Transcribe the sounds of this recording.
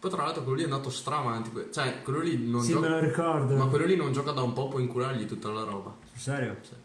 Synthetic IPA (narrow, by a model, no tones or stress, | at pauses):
pɔjt̪ɾalːalt̪ɾokwelːoliɛand̪aːt̪ost̪ɾavant̪ikwet͡ʃɛkwelːolinond͡ʒɔmeloɾikɔrd̪omakːwelːolinond͡ʒɔːkad̪aumpɔpwɔiŋkuɾaɾʎit̪ut̪ːalaɾɔːba | sɛɾjo̰sɛ